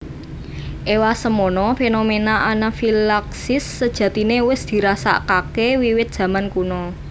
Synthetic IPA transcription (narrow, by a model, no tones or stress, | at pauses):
ʔewasəmonɔfenomenaʔanafilaksɪsːəd̥ʒ̥ä̤t̪inewɪsd̪̥i̤ɾasa̰kakewiwɪt̪̚d̥ʒ̥ä̤mankunɔ